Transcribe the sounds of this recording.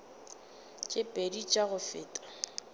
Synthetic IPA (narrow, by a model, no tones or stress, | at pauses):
t͡ʃʼɪpʼedit͡ʃʼaɣʊfɪːtʼḁ